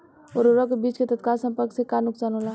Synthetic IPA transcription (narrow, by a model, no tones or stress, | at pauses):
oːɾoɾɔkebiːt͡ʃket̪ət̪kaːlsə̃mpəɾksekanʊksaːnɦola